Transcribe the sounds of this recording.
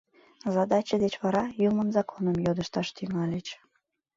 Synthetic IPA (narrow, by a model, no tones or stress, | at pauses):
zɑd̪ɑt͡ɕəd̪et͡ɕβɑɾɑjumənzɑkʰonəmjod̪əʃt̪ɑʃt̪yŋɑlʲet͡ɕ